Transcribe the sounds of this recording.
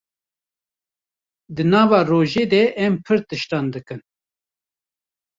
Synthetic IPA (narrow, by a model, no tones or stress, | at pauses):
d̪ɨnɑːvɑːroːʒeːd̪ɛʔɛmpʰɨɾt̪ɨʃt̪ɑnd̪ɨkɨn